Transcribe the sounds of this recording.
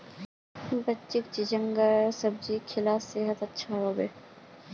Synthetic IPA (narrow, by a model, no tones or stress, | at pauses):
bɐtːt͡ʃɪk̚t͡ʃɪd͡ʒəŋɡəɾsɐb̚d͡ʒiːkʰɪlaːseɦət̪ɐtːʃʰaɦobeː